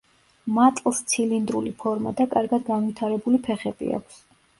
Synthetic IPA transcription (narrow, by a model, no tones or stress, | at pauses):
mat̪ʼlˠst̪sʰilind̪ɾulipʰɔɾma̰d̪akʼaɾɡad̪ɡanvit̪ʰaɾɛbulipʰɛχɛbḭa̰kʷʰs